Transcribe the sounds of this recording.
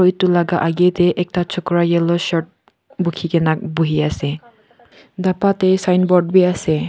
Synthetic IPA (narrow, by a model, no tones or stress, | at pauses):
ɔjtulaɡaʔaɡeteʔɛk̚tat͡ʃʰɔkɾajɛlɔʃɔt̚ | bukʰikɛnak̚buɦiase | dapatesajnbɔd̚biasɛ